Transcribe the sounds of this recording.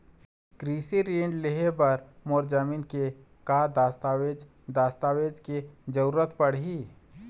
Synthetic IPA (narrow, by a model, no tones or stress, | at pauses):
kɾiːsiɾiːɳɖleɦebɐɾmoːɾd͡ʒamiːnke | kaːd̪ast̪aed͡ʒ | d̪aːst̪aːʋeːd͡ʒked͡ʒɐɾuːɾət̪pɐɽɦiː